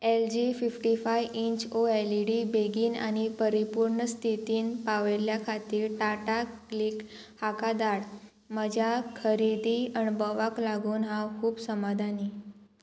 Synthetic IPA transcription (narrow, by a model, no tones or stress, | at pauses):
eld͡ʑififʈifajʋiɲt͡ɕoeliɽiːbeɡiːna̰ɽ̃ipəɾipuɾɳəst̪ʰit̪iːnpaʋeljakʰat̪iːɾʈaʈakliːk | hakad̪aɽ | məd͡ʑʱakʰəɾid̪iənbɔʋaklaɡuːnɦãkʰuːbsəmad̪ʱani